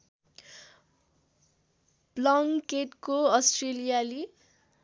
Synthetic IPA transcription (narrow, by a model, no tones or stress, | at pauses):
blʌŋkeʈkoʌsʈrelijali